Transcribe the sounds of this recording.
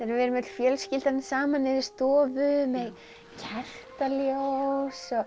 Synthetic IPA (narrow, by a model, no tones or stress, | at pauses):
θɾvɛːɾʏmɛt̪l̥fjœːlscɪlt̪aɾnsaːmanːɪðɪ̥st̪ɔːvʏmɛð | cʰɛr̥t̪aljowsɔ